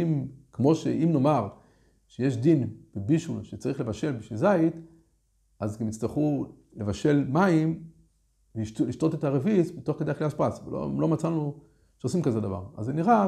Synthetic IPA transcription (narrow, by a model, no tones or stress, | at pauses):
imkmo̞ʃeʔimno̞maʁ | ʃejeʃ̬d̪inb̥ebiʃulʃet͡saʁiχle̞vaʃe̞lbiʃizait̪ | azɡamit͡st̪aχu | le̞vaʃe̞lmaim | veiʃtuliʃto̞tetaʁevizbet̪o̞χked̪eaχleaʃpasvelo̰lo̞mat͡sanu | ʃeosimkaze̞d̪ava̰ʁa̰zeniʁa